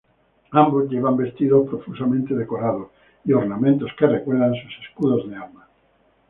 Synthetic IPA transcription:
ambozʎeβambest̪iðopɾofusamẽnt̪eðekoɾaðo | ioɾnamẽnt̪oskerekwelðansuseskuðozðealma

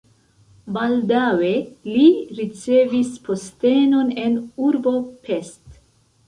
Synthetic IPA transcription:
bald̪aweliɾit͡seːvispʰost̪eːnonenuɾbopʰest̪

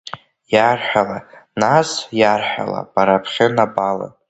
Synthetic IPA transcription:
jarħʷᶣalanasjarħʷᶣa̰la̰b̥aɾapʰχʲɪnabala̰

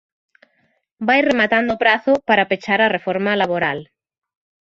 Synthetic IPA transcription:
bajremat̪and̪opɾaθopaɾapet͡ʃaɾarefoɾmalaβoɾal

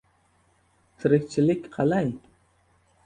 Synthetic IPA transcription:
t̪ʰiɾɪk̚ʲt͡ʃʰilɪkʲqʰɑlˠɑjn

